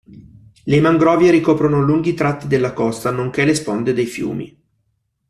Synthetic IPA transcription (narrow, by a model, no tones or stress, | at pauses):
lemaŋɡɾɔːvjeɾikɔːpɾonoluŋɡit̪ɾat̪ːid̪elːakɔst̪anoŋkelespond̪ed̪ejfjṵːmḭ